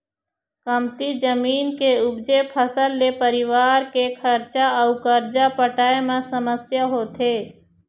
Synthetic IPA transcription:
kəmt̪id͡ʒəmiːnkeʊbd͡ʒepʰəsəlːepəɾɪʋaːɾkekʰəɾt͡ʃaəʊkəɾd͡ʒapəʈaːemãsəməsjaɦoːt̪ʰeː

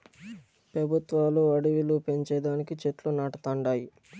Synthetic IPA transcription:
pɾɐbʱut̪ʋaːluɐɽiʋilupe̞ɲt͡ʃɛːɖaːnikit͡ʃet̪lunaːʈɐt̪ɐɳɖaːji

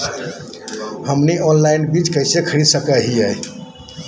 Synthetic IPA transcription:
həmniɔnlainbid͡ʒkəjsekʰəɾisəkəɦiaj

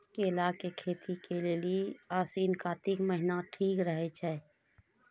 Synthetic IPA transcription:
kelaːkekʰeːt̪ʰikelelieaːsiːnkaːt̪ikməɦɪnaʈʰiːkɾəɦet͡ʃʰɛː

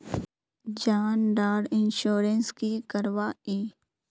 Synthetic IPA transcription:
d͡ʒaːnɖaːɖɪnʃoːɾənskikəɾʋaːiː

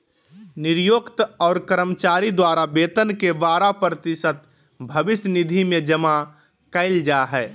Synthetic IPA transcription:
nɪɾjoːkt̪ɔːɾkəɾəmət͡ʃaːɾid̪waːɾabeːt̪ənkeʋaːɾapɾət̪ɪsət̪̚ | bʱəbɪsnɪd̪ʱimẽd͡ʒəma | kəɪld͡ʒaɦɛː

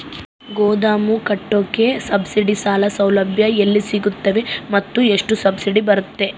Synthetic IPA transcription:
ɡoːd̪aːmukɐʈːoːke̞sɐbsiɖisaːlɐsɐwlɐbʱjɐelːisiɡut̪ːɐʋe̞mɐt̪ːueʂʈusɐbsiɖibɐɾut̪ːe̞

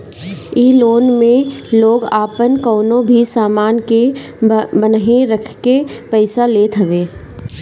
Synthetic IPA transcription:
iːloːnmẽloːɡaːpənkoːnõbʱisaːmaːnke | bənɦẽɾəkʰkepɛɪsaleːt̪ʰɦəʋeː

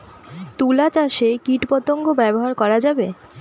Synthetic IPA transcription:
t̪ulat͡ɕaʃekiʈpɔt̪oŋɡobɛboɦaɾkɔɾad͡ʑabe

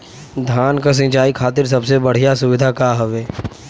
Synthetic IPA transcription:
d̪ʱaːnkas̬ɪ̃nt͡ʃaːikʰaːt̪ɪɾs̬ɐbsebɐɽ̤ijasʊʋɪd̪ʱakaɦɐʋeː

